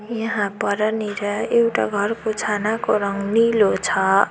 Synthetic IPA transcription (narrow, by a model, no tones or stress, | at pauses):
jʌɦãpʌɾʌniɾʌewʈa̰ɡʱʌɾkot͡ʃʰanakoɾʌŋɡnilot͡sʰʌ